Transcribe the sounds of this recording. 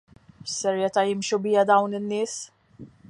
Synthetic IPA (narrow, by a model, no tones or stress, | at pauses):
sːɛɾjɛt̪ɐjɪmʃubɪjɐd̪ɐwnɪnːɪːs